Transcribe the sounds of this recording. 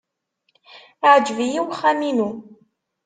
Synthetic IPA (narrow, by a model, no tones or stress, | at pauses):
aʕd͡ʒvijiwχːæminu